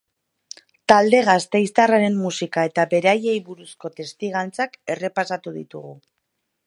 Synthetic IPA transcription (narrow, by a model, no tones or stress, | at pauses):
t̪ald̪e̞ɣ̞ast̪e̞jst̪araɾe̞mːusikae̞t̪abe̞ɾeaje̞jβuɾusko̞t̪e̞st̪iɣant͡sake̞re̞pasat̪uðḭt̪uɣu